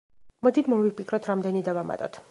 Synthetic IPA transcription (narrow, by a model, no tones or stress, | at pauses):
mɔd̪it̪ʰmɔvipʰikʰɾɔt̪ʰɾamd̪ɛnid̪avama̰t̪ʼɔt̪ʰ